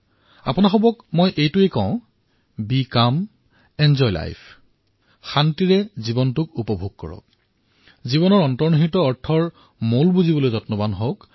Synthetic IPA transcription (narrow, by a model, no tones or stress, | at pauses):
a̰pʊnaxɔbɔkmojʔejtʊekɔ̃ʊ̃ | bikam | ɛnzɔjla̰jpʰ | xantiɹɛzibɔntʊkupɔbʱuɡ̚kɔ̰ɹɔ̰k̚ | zibɔnɔɹɔntɔɹnɦitɔɔɹtʰɔɹ | molbuzibɔlojzɔtnɔbanɦok